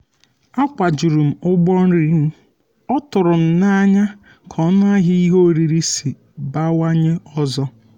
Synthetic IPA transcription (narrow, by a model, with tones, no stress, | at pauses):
a˦kʷa˨d͡ʒu˨ɾu˨m̩˨ʊ˦ɡ͡bɔ˦n̩˦ɾi˨˦m̩˦ | ɔ˦tʊ˨ɾʊ˨n̩˦na˦ɲa˦ | kʰɔ˦n˦a˦ɦɪ˦i˦ɦo˦˨ɾi˨ɾi˦si˨ | ba˦wa˦ɲɪ˦ɔ˦zɔ˦